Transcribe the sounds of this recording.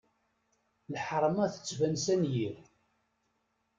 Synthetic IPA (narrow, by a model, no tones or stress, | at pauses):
lħəɾˤmæθə̥t͡sːvænsænjiɾ